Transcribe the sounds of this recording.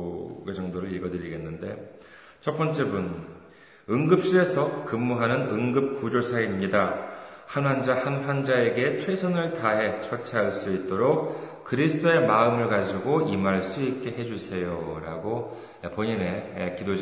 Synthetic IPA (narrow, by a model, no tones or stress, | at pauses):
ɡed͡ʑʌŋdoɾɯɾiɭɡʌdɯɾiɡe̞nːɯnde̞ | t͡ɕʰʌp͈ʌnt͡ɕ͈e̞bun | ɯŋɡɯp̚ɕ͈ie̞sʰʌkɯmːuɦanɯnɯŋɡɯp̚k͈ud͡ʑosʰaimɲidahanɦand͡ʑahanɸand͡ʑae̞ɡe̞t͡ɕʰwe̞sʰʌnɯɭtaɦe̞t͡ɕʰʌt͡ɕʰaɦaɭs͈uit̚t͈oɾok̚kɯɾisʰɯ̥t͈ʰoe̞maɯmɯɭkad͡ʑiɡoimaɭs͈uik͈e̞ɦe̞d͡ʑusʰe̞joɾa̰ɡo | epoɲine̞ekidod͡ʑ